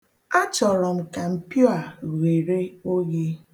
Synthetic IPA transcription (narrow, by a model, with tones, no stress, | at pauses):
a˦t͡ʃɔ˨ɾɔ˨m̩˨ka˨m̩˨pjo˦a˨ɣe˨ɾe˦o˦je˦